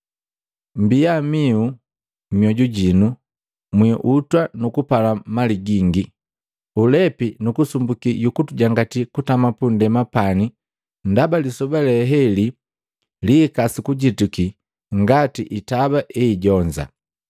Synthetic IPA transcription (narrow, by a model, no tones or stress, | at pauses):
m̩bijamiu | mjɔɟuɟinu | mwiʔutwanukupalamaliɡiŋɡi | ulɛpinukusumbukiɟukutuɟaŋɡatikutamapundɛmapani | ndabalisɔbalɛɦɛli | likasikuɟituki | ŋɡatiʔitabaʔɛːɟɔɲd͡ʒa̰